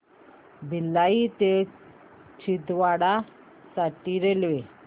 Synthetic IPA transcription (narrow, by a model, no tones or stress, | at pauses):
bilːait̪e | t͡ɕʰid̪ʋaɽa | saʈiɾelʋe